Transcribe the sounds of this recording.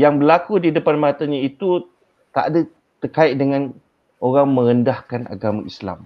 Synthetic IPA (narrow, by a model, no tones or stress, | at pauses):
jaŋbəlakudidəpanmat̪aɲait̪u | t̪a̰ʔda | t̪ərkaɪʔ̚dəŋãn | oɾaŋmə̃ɾəndahkanʔa̰ɡamãisla̰m